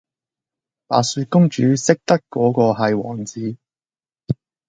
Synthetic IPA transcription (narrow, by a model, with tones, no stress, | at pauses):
pa̰ː˨syː˧kʊ˥ŋt͡ʃyː˨˥sɪ˥k̚t̪ɐ˥kːɔː˨˥kɔː˧ɦɐ˨jwɔː˨˩ŋt͡siː˨˥